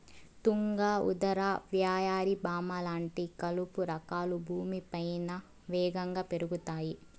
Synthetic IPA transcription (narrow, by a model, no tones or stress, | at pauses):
t̪uŋɡaːṵd̪ɐɾaːʋjaːjaːɾibaːmɐlaːɳʈikɐlupuɾɐkaːlubʱuːmipɐjnɐ | ʋɛːɡɐŋɡaːpe̞ɾuɡut̪aːji